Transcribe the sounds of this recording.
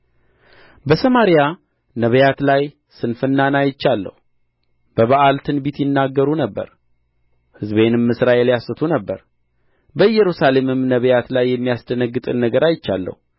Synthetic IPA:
bəsəmaɾija | nəβəjat̪laj | sɨnfɨnːanajɪt͡ʃːalːə̰hu | b̥əβaʔalt̪ʰɨnbit̪jɪnːaɡːəɾunəbːə̰ɾ | hɨzβe̞nɨmːɨsɾaʔeljasɨt̪ʰunəbːəɾ | bəɨjːɛɾusale̞mɨmnəβəjat̪lajːɛmːijasd̪ənəɡːɨt̪ʼɨnːəɡəɾajɪt͡ʃːa̰lːə̰hu

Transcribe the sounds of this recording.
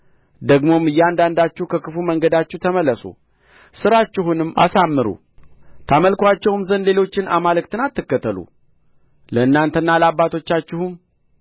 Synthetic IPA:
d̪əɡmo̞mɨjːɛand̪and̪at͡ʃːɪhkʰəkʰɨfuməŋɡəd̪at͡ʃːɪht̪ʰəməlːəsṵ | sɨɾat͡ʃːɪɦunɨmːa̰samːɨɾṵ | t̪ʰaməlkʰwat͡ʃːɛwmzənle̞lo̞t͡ʃːɪnamalɨkt̪ʰɨnat̪ːɨkːət̪ʰːəlṵ | ləɨnːant̪ʰənːaləabːat̪ʰo̞t͡ʃːat͡ʃːɪhum

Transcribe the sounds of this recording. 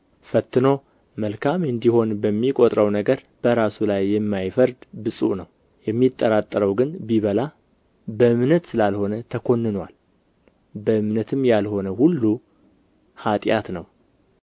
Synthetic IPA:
fət̪ːɨno̞ | məlkʰamɨnd̪iho̞nbəmːikʼot̪ʼɾəwnəɡəɾ | b̥əɾasulajːɛmːajfəɾd̪bɨsʼṵnəw | jɛmːit̪ʼːəɾat̪ʼːəɾəwɡɨnbiβəla | bəɨmnət̪sɨlalho̞nət̪ʰəkʰo̞nːɨnwa̰l | bəʔɨmnət̪ʰɨmjalho̞nəhulːu | hat̪ʼjat̪nəw

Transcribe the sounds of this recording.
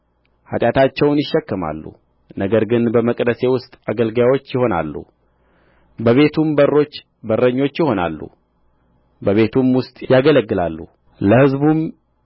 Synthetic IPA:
ha̰t̪ʼjat̪ʰat͡ʃːɛwnjɪʃːɛkːəma̰lːṵ | nəɡəɾɡɨnbəməkʼd̪əse̞wʊst̪ʼaɡəlɡjawo̞t͡ʃːjɪho̞na̰lːṵ | bəβe̞t̪ʰumbərːo̞t͡ʃː | bərːəɲːo̞t͡ʃːjɪho̞na̰lːṵ | bəβe̞t̪ʰumwʊst̪ʼjaɡələɡːɨla̰lːṵ | ləhɨzbum

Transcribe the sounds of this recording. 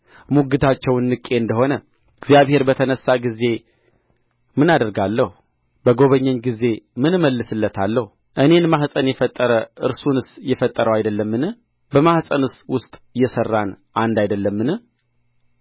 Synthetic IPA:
muɡɨt̪ʰat͡ʃːɛwɨnːɨkʼːe̞ɨnd̪əho̞nə | ɨɡzijaβhe̞ɾbət̪ʰənəsːaɡize̞ | mɨnad̪əɾɡalːəhu | bəɡo̞βəɲːɛɲɡize̞mɨnməlːɨsɨlːət̪ʰalːəhu | ʔɨne̞nmahsʼənjɛfət̪ʼːəɾəʔɨɾsunɨsjɛfət̪ʼːəɾəwajd̪əlːəmːɨnɨh | bəmahsʼənɨswʊst̪ʼjɛsərːan | ʔand̪ajd̪əlːəmːɨnɨh

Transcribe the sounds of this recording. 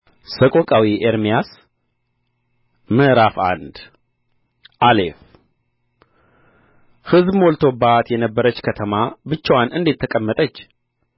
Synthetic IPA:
səkʼokʼawiʔeɾmijas | məʔɾafa̰nd̪ | ʔalef | hɨzbmolt̪ʰo̞bat̪jɛnəbːəɾət͡ʃːkʰət̪ʰəmabɨt͡ʃːwanʔɨnd̪et̪ʰːəkʼəmːət̪ʼət͡ʃː

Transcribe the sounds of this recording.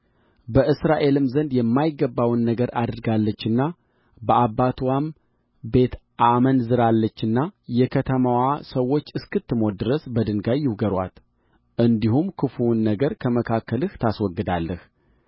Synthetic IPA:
bəʔɨsɾaʔe̞lɨmzənd̪jɛmːajɪɡəbːawnːəɡəɾʔa̰d̪ɨɾɡalːət͡ʃːɨnːa | bəabːat̪ʰwam | be̞t̪ʔamənzɨɾalːət͡ʃːɨnːajɛkʰət̪ʰəmawasəwo̞t͡ʃːɨskɨt̪ːɨmod̪ɨɾəsbəd̪ɨnɡajːɪwɡəɾwa̰t̪ | ʔɨnd̪ihumkʰɨfunːəɡəɾkʰəməkʰakːəlɨht̪ʰaswɔɡːɨd̪alːəh

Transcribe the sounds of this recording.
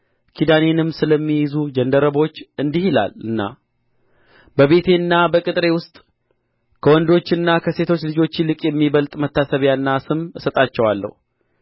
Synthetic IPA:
kʰid̪ane̞nɨmsɨləmːijɪzud͡ʒənd̪əɾəβo̞t͡ʃːɨnd̪ihila̰lɨnːa̰ | bəβe̞t̪ʰe̞nːabəkʼɨt̪ʼɾe̞wʊst̪ʼ | kʰəwɔnd̪o̞t͡ʃːɨnːakʰəse̞t̪ʰo̞t͡ʃːlɨd͡ʒo̞t͡ʃːilɨkʼjɛmːiβəlt̪ʼmət̪ʰːasəβjanːasɨmɨsət̪ʼat͡ʃːɛwalːə̰hu

